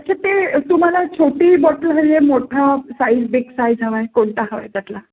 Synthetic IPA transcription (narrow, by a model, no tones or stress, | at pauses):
əʈt͡ɕʰat̪et̪um̤alat͡ɕʰoʈiːbɔʈəlɦəɾemoʈʰasaid͡zbiksajd͡zaʋə̃koɳʈaɦəʋa̰jt̪at̪la